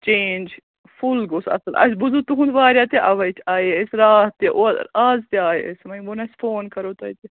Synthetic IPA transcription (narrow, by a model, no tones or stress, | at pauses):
t͡ʃeːnʲd͡ʒ | fulɡosɐ̰sɐlɐ̰s̬ʲbuzut̪uɦũnd̪ʋaːɾʲjaːt̪eʔɐʋɐjt̪ʰaːjeesɾaːht̪eʔoaːzt̪iaːjeesmɐbonɐsfoːnkɐɾoːt̪ɐjt̪i